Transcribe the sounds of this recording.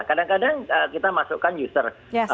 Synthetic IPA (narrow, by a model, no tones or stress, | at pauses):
kadaŋkadaŋəkit̪amasukanjust̪ər | j